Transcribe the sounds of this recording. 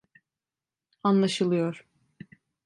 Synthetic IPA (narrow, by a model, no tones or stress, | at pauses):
anlˠaʃɯlˠɯjoɾ̥